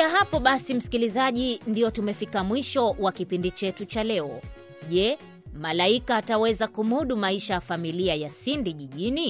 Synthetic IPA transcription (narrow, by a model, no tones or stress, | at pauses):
kaɦapɔɓasim̩si̥kilizaʄindiɔtumɛfikamwiʃɔwakipindit͡ʃɛtut͡ʃalɛɔ̰ | ʄɛ | malaikaːtawɛzakumuɗumaiʃajafamiliajasindiʄiʄini